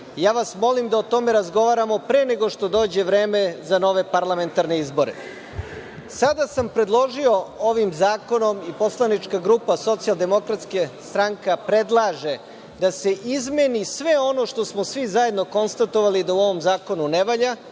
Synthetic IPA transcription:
jaːʋasmo̞limd̪aot̪o̞meɾazɡo̞ʋaːɾamo̞pɾene̞ɡo̞ʂt̪o̞d̪o̞ːd͡ʑe̞ʋɾe̞ːmezano̞ʋe̞paɾlˠament̪aɾne̞izbo̞ɾḛ | sad̪asampɾe̞d̪lˠo̞ʒio̞o̞ʋimzaːko̞no̞mipo̞slˠanit͡ʂkaɡɾuːpaso̞t̪sialˠd̪e̞mo̞kɾat̪skest̪ɾaŋkapɾe̞d̪lˠaʒe̞ | d̪ase̞ʔizmenisʋe̞o̞no̞ʃt̪o̞smosʋizaje̞d̪no̞ko̞nst̪at̪oʋalid̪auo̞ʋo̞mzaːko̞nuneʋaʎa

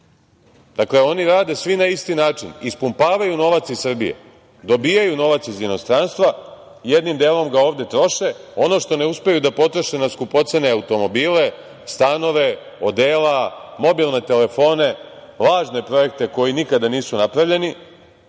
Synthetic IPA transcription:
d̪̥akle̞o̞niɾaːd̪e̞sʋinaist̪inaːt͡ʃinispumpaːʋajuno̞ʋat̪sisr̩bijḛ | d̪o̞biːjajuno̞ʋat̪sizino̞st̪ɾanst̪ʋa | ije̞d̪nimd̪eːlo̞mɡao̞ːʋd̪e̞t̪ɾo̞ʃe̞o̞no̞ʃt̪o̞ne̞uspejud̪apo̞t̪ɾoʃe̞naskupo̞t̪seneaut̪o̞mo̞biːle̞ | st̪ano̞ʋe̞ | o̞d̪eːlamo̞biːlˠnet̪e̞le̞fo̞ne̞ | laːʒne̞pɾo̞je̞k̚t̪e̞ko̞jinikad̪aniːsunapɾaʋʎe̞ni

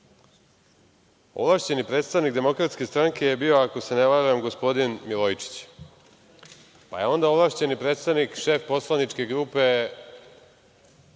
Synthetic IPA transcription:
o̰vlaʂt͡ɕe̞nipɾet̪st̪aʋnikd̪e̞mo̞kɾat̪ske̞st̪ɾaŋke̞jebio̞ako̞se̞neʋaɾuamɡo̞spo̞d̪inmilojit͡ʂi̥t͡ɕ | pa̰jeo̞nd̪aovlˠaʂt͡ɕe̞nipɾet̪st̪aʋnikʃe̞ːfpo̞slˠanit͡ʂke̞ɡɾuːpe̞

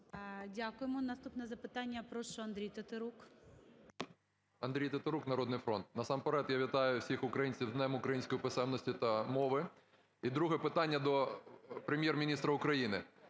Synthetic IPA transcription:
dʲakʊjemɔnɐst̪upnɛzɐpɪt̪ɑnʲːɐpɾɔʃɔɐnd̪ɾʲijt̪et̪eɾuk | ɐnd̪ɾʲijt̪et̪eɾuknɐɾɔd̪nɪjfɾɔnt̪̚nɐsɑmpeɾɛt̪jaʋʲit̪ɑjʊwsʲixʊkɾɐjinʲt͡sʲiwd̪nɛmʊkɾɐjinʲsʲkɔjʊpɪsɛmnɔsʲtʲʊt̪ɐmɔʋɪ | id̪ɾuɦɛpɪt̪ɑnʲːɐd̪ɔpɾemʲjermʲinʲist̪ɾɐʊkɾɐjinɪ

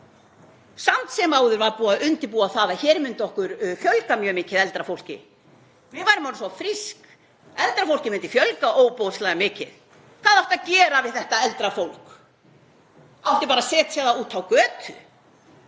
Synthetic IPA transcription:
samt̪sɛmaːwðʏɾvaɾpuːaʔʏnt̪ɪpuːaθaːðaçɛːɾmʏnt̪ɔhkʏɾfjœlkamjœːmɪːcɪðɛlt̪ɾafowl̥cɪ̰ | vɪðvajɾɪmawɾsɔfɾisk | ɛlt̪ɾafowl̥cɪmʏnt̪ɪfjœlkaʔoːwpowðslajɣamɪːcɪ̰ð | kaːðɔht̪aðcɛːɾavɪðθɛht̪aɛlt̪ɾafowlk | aw̥t̪ɪpaːɾasɛːt̪sjaðauːt̪ʰawkœːt̪ʰʏ̰

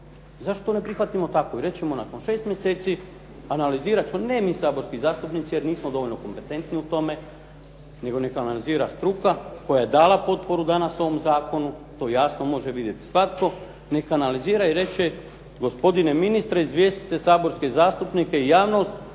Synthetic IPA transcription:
zaʃt̪o̥t̪one̞pɾixʋat̪imo̞t̪ako̞iɾe̞t͡ɕemo̞nako̞nʃe̞ːst̪mʲjeseːt̪si | analiziːɾat͡ʃmonemisaːbo̞ɾskizaːst̪upnit̪sijeɾniːsmod̪o̞ʋoʎʲno̞ko̞mpe̞t̪e̞nt̪niut̪o̞me̞ | ne̞ɡo̞ne̞kaːnaliziːɾast̪ɾukako̞jaje̞d̪aːlˠapo̞t̪̚po̞ɾud̪anaso̞ʋo̞mzaːko̞nut̪o̞ːjasno̞mo̞ʒeʋid̪je̞t̪i̥sʋat̪ko̞ | ne̞kaːnaliziːɾaiɾe̞t͡ʃe | ɡo̞spo̞d̪ineminist̪ɾeizʋjest̪i̥t̪e̞saːbo̞ɾske̞zaːst̪upnike̞ijaːʋno̞st̪

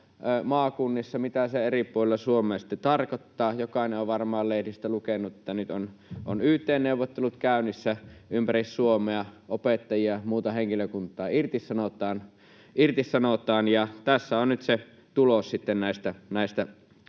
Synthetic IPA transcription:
mɑːkunːisːɑmit̪æseeripuolelːɑsuomeɑsi̥t̪ːet̪ɑrkot̪ːɑːjokɑˑneʔoʋʋɑrmˑɑːllehdist̪ælukenːuet̪ːænyt̪ono̰nyht̪ˑeːnneuwʋːˑot̪ːelut̪kæˑynːisːæympærisːuomˑeɑʔopet̪ːɑjiɑmuːt̪ɑheŋkiløkunt̪ˑɑːirt̪issɑnot̪ˑɑːn | irt̪issɑnot̪ˑɑːnjɑt̪æsːæonnyt̪se | t̪ulossit̪ːennæˑest̪ænæˑist̪æ

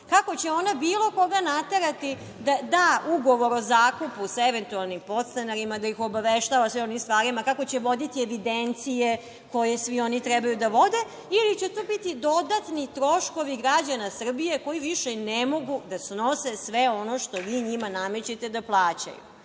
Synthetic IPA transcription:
kako̞t͡ɕeo̞nabiːlo̞ko̞ɡanat̪eɾat̪i | d̪ad̪auɡo̞ʋo̞ɾozaːkupusaeʋe̞nt̪ualˠnimpo̞t̪st̪anaɾimad̪aixo̞baʋeʃt̪aːʋasʋionimst̪ʋaːɾimakako̞t͡ɕeʋo̞d̪it̪ieʋid̪ent̪sije | ko̞jesʋio̞nit̪ɾɛbajud̪aʋo̞d̪e | ilit͡ɕe̞t̪oːbit̪id̪o̞d̪at̪nit̪ɾo̞ʃko̞ʋiɡɾad͡ʑanasr̩bije̞ko̞jiʋiʃenemo̞ɡud̪asno̞sesʋeo̞no̞ʃt̪o̞ʋiːɲimaname̞t͡ɕet̪e̞d̪aplˠaːt͡ɕa̰jṵ

